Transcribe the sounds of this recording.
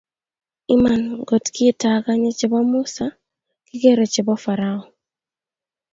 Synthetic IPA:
ɪ˦ma˨nɡo˨tkɪ˦ta˨ka˦ɲe˦t͡ʃɪ˨bɔ˦mʊ˦sa˨ | kɪ˦ke˦ɾo˨t͡ʃɪ˨bɔ˦fa˨ɾa˦ɔ˨

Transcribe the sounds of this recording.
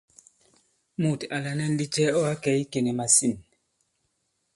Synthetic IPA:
mu˨ta˨la˨nɛ˦n˦di˦t͡ʃɛ˦ɔ˦a˦kɛ˨˦i˦ke˨nɛ˨ma˨si˦˨n

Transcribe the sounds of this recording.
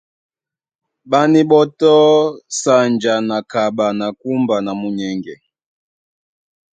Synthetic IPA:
ɓa˦ni˦ɓɔ˦tɔ˦sa˦˨nd͡ʒa˨na˨ka˨ɓa˨na˨ku˦mba˨na˨mu˦ɲɛ˦ŋɡɛ˨

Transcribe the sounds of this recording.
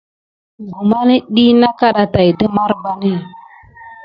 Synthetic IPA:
ɡu˨ma˦ni˦ɗi˦na˦ka˦ɗa˨ta˨jdə˦ma˦ɾba˨ni˦˨

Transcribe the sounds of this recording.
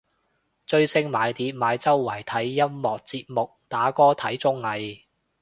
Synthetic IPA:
t͡ʃɵ˧ɥsɪ˧ŋmaː˨˧jt̪iː˨˥p̚maː˨˧jt͡sɐ˥wːɐ˨˩jt̪ʰɐ˨˥jːɐ˥mːɔː˨k̚t͡siː˧p̚mʊ˨k̚t̪aː˨˥kɔː˥t̪ʰɐ˨˥jt͡sʊ˥ŋlɐ˨˧j

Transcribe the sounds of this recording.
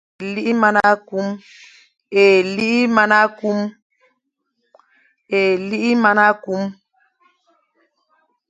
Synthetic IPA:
li˦ʔi˦ma˦na˦ku˦m | e˨li˦ʔi˦ma˦na˦ku˦m | e˨li˦ʔi˦ma˦na˦ku˦m

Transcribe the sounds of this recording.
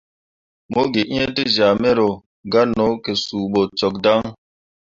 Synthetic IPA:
mo˦ɡe˨ʔĩ˦e˦ti˦za˨me˦ɾo˨ | ɡa˦no˨˦ke˨su˨ɓo˨t͡ʃɔ˨k̚da˦ŋ

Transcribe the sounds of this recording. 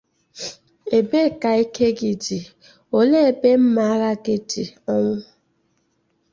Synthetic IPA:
e˨be˦˨ka˨i˦kʰe˦ɡi˨d͡ʒi˨ | o˨le˦e˨be˦m̩˦ma˨˦ɾa˦ɡe˦di˨ɔ˦ŋʷʊ˦

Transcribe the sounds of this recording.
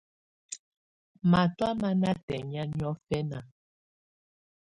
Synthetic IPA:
ma˨twa˦ma˦na˦tɛ˨ɲa˦ɲ˦ɔ˦fɛ˦na˨

